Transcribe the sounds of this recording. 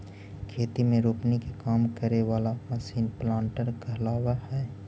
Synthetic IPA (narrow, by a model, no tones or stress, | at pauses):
kʰeːt̪imẽɾoːpnikekaːmkəɾeʋaːlamɐsiːnplãːɳʈəɾkəɦlaːwahɛː